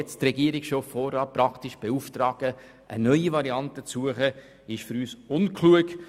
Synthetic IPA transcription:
ɛt͡stɾɛɡiəɾɪksʃoːfɔɾɑpɾɑktɪʃb̥euftɾɑːɡ̥ə | ʔə̰nœʏivɑɾiɑntət͡suəχə | ɪʃfyɾyːsʊnkʰluək

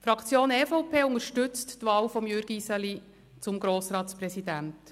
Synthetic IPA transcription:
fɾɑkʰt͡sjoːnɛːfɔwpʰeːʊŋəɾʃtʏt͡sttʋɑːwfɔmjøɾɡ̥isɛli | t͡sʊmɡɾoːsɾɑːtspɾɛsidænt

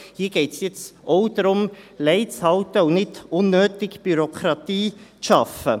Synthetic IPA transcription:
hiːɡ̥ɛɪtsjɪt͡soʊd̥̪ɾʊmlɛɪt͡shɑltəunɪtʊnːøːtɪkb̥yɾokχɾɑt̪iːt͡sʃɑfə

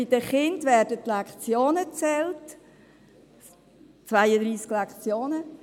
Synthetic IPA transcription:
ɪd̥əχɪndvɛːrdətlɛkχt͡sjoːnət͡sɛlt | t͡svaɪəd̪ɾiːsklakχt͡sjoːnə

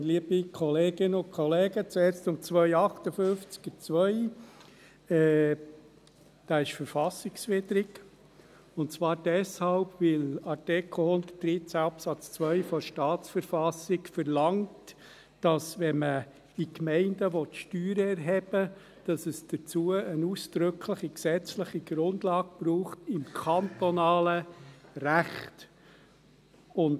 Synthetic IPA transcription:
liːəb̥ikʰɔleːɡ̥ɪnʊnkʰɔleːɡət͡sɛːɾstʊnt͡sʋœʏɑχtəfønft͡skət͡sʋœʏ | ɛ | d̥ɑːɪʃfəɾfɑsɪksfɪdəɾɪk | ʊntt͡sʋɑːɾd̥ɛshɑlbvɪlɑɾtɪkʰl̩hʊnd̪əd̥ɾɪt͡sæɑpsɑt͡st͡sʋœʏfɔʃtɑːt͡sfəɾfɑsɪkfɛɾlɑŋt | d̥ɑsʋɛmə | ikmɛɪndəʋɔtʃtyːɾəɛɾɦɛb̥ə | d̥ɑsəsd̥ət͡suəənuːsd̥ɾʏkʰləχiksɛt͡sləχiɡɾʊndlɑːɡ̚b̥ɾuːχtɪmkʰɑntɔnɑːləɾæχt | ʊn

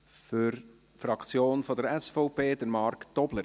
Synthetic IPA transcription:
før | frɑkt͡sjoːnfɔdəɾɛsfoʊpeːdəɾmɑrkd̥ɔblə

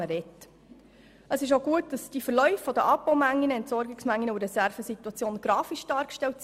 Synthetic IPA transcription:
əɾɛtː | əsɪʃ̬oɡuət̚d̥ɑsd̥ifəɾlœʏfːɔdəʔɑpːowmæŋːinəɛntsɔɾɡɪksmæŋːinəubəɾɛsæɾfəsitwɑt͡sjoːnɡ̥ɾɑːfiʃd̥ɑːɾkʃtɛlts

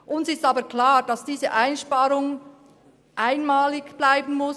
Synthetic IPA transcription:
ʔʊnsɪstɑːbəkʰlaːd̥ɑsd̥iːzə̰ʔaɪnʃpaːɾʊŋ | ʔaɪnmaːlɪɡb̥laɪbən̩mʊs

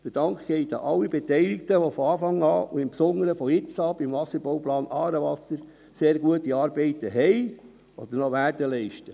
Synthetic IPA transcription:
d̥̪əd̥ɑŋkɡ̥ɛɪt̪ɑ̰ʔɑlːibɛtɛɪlɪktəʋofɔɑːfɑŋɑːuɪmpsɔŋːəɾəfɔɪt͡sɑːb̥imvɑsəɾbowplɑːnʔɑːɾəʋɑsəɾ | seːɾɡ̥uətiɑːɾbɛɪtəɦɛɪ | ɔd̥̪əɾnɔʋæːɾdəlɛɪʃtə

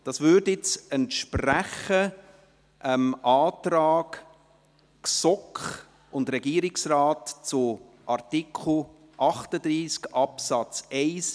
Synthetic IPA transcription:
d̥ɑsvʏːɾdɪt͡sɛntʃpræχə | ʔəmʔɑːtrɑːk | ksɔkχ | ʊndɾɛɡiːəɾɪksraːtt͡sʊ | ʔɑrtikʰχl̩ˠ | ʔɑχtəd̪ɾiːskʔɑpsɑt͡sɛɪs

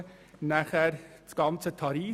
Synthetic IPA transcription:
næχæɾt͡sɡ̥ɑnt͡sət̪ʰɑɾiː

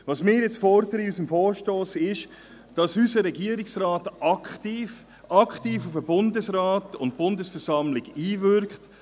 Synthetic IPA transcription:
ʋɑːsmɪːɾjɛt͡sfɔɾdəɾəiysəmfɔːɾʃtoːsɪʃ | d̥ɑsysəɾɛɡiəɾɪksɾɑːtɑktif | ʔɑkχtiːfufəbʊndəsɾɑːtʊntb̥ʊndəsfɛɾsɑmlɪɡiːvʏɾkχt

